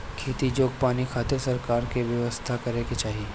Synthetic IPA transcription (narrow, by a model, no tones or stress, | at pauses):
kʰeːt̪id͡ʒoːɡ̚paːnikʰaːt̪ɪɾsɐɾkaːɾkeʋjɐʋəst̪ʰakɐɾẽket͡ʃaːɦieː